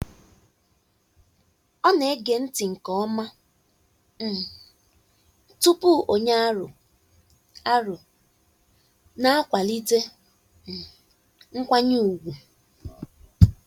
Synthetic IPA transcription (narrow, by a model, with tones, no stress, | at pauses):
ɔ˦ne˨˦ɡe˨n̩˦tɪ˨ŋ̩˨kɔ˦ɔ˦ma˦ | m̩˨ | tu˦pu˦o˨ɲa˦ɾʊ˨ | a˦ɾʊ˨ | na˦a˦kʷa˨li˦te˦˨ | ŋ̩˦kʷa˦ɲu˦u˨ɡʷu˨